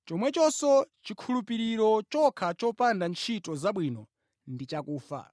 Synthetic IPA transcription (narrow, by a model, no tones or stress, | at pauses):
t͡ʃɔmwɛt͡ʃɔsɔt͡ʃikʰulupiɾiɾɔt͡ʃɔkʰat͡ʃɔpandant͡ʃʰitɔzaɓwiːnɔ | ndit͡ʃakuːfa̰